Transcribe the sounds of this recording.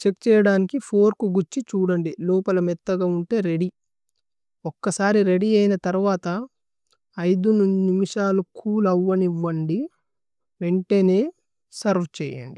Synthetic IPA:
t͡ʃe̞kt͡ʃɛːjɐɽaːnikipʰo̞ːɾkuɡut͡ʃːit͡ʃuːɽɐɳɖilɔːpɐlɐmɛt̪ːɐɡaːuɳʈe̞ːɾe̞ɽi | ɔkːɐsaːɾiɾe̞ɽiɐjnɐt̪ɐɾuʋaːt̪ɐː | jd̪ununimiʂaːlukʰuːlɐʋːɐniʋːɐɳɖi | ʋe̞ɳʈe̞ːne̞ː | sɐɾʋt͡ʃɛ̰ːjɐ̰ɳɖi

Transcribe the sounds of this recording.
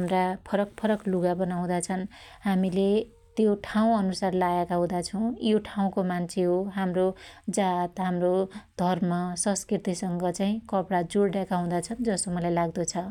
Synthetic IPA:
mrapʰʌɾʌk̚pʰʌɾʌkluɡabʌnaw̃d̪at͡sʰʌnɦamile | t̪joʈʰaw̃ʌnusarlajakaɦũd̪at͡sʰʌw̃joʈʰaw̃komant͡sʰeɦoɦamrod͡zat̪ɦamrod̪ʱʌrmʌsʌ̃nskrit̪isʌŋɡʌt͡saĩkʌpɽad͡zoɽɖjakaɦũd̪at͡sʰʌnd͡zʌst̪omʌlajlaɡd̪ʌt͡sʰʌ

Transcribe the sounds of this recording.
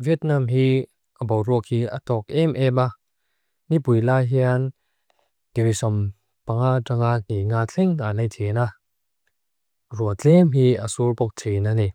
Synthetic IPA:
viət̚namɦi | ʔabɔwrɔk̚hiatɔk̚ɛmʔɛma | nipujlaɦian | ɡ̥eɾisɔm | paŋataŋaniŋaːɛŋnanajtʰena | ruət͡sɛmɦiasurpɔk̚tʰenani

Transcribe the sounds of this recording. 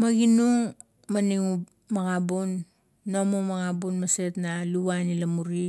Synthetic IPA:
maɡinuŋ | maniŋup | maɣabunː | omomaɣabunmase̞tnaluβanilamuɾi

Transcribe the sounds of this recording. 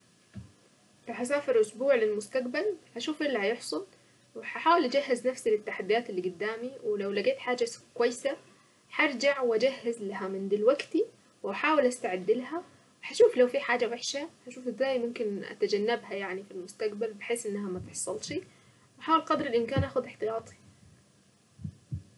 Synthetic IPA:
ɾˤɑħas̬aːfɪɾʔʊsbuːʕlɪlmʊst̪aqbalħaʃuːfʔɪlːahajɪħsˤɑl | wɪħaħaːwɪlʔad͡ʒahːɪznafsilɪt̪ːaħad̪ːijaːt̪ɪlːiɡʊd̪ːaːmiwɪlawlaɡeːt̪ħaːd͡ʒakʊwajːsa | ħɑɾˤd͡ʒaʕwʔad͡ʒahːɪzlaɦamɪnd̪ilwaɡt̪i | wʔaħaːwɪlʔast̪aʕad̪ːɪlɦa | wɪħaʃuːflawfiħaːd͡ʒawaħʃaħaʃuːfɪzːaːjmʊmkɪnʔa̰t̪ad͡ʒanːabhajaʕnifilmʊst̪aɡbalbɪħeːsʔɪnːaɦamat̪ɪħsˤɑlʃi | waħaːwɪlqɑd̪ɾˤɪlʔɪnkaːnʔaːxʊd̪ɪħt̪ɨjɑːt̪ˤʰi̥

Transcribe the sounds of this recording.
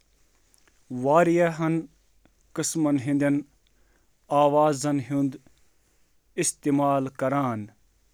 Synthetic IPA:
ʋaːɾijɐɦɐn | kɨsmɐnɦĩnd̪ɐn | aːʋaːzɐnɦũnd̪ | ist̪eːmaːlkɐɾaːn

